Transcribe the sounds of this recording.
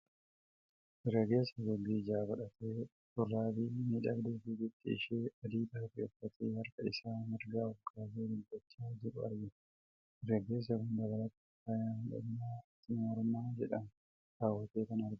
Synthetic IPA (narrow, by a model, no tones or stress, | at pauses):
ʔɪɾɡɐɡe̞ːsːɐɡɔɡːiːd͡ʒaːbɐᶑɐt̪eː | t̪ʊrːaːbiːmiːᶑɐbd̪eːfiːd͡ʒɪt̪ːɪɪ̰ʃeːɐd̪iːt̪aːfɪɔfːɐt̪eːhɐɾkɐɪsaːmɪɾɡaːɔfkʰaːzeːd̪ɪbɐt͡ʃːaːd͡ʒɪɾʊɐ̰ɾɡɪ | ɪɾɡɐɡe̞ːs̬ːɐkʊnd̪ɐβɐlɐt̪ːɪ̥fajaːhndɐ̰ɲːaːt̪ːiːnɔɾmaːd͡ʒɛᶑɐn | ɾaːwːɐt̪eːkɐnɐɾɡɪ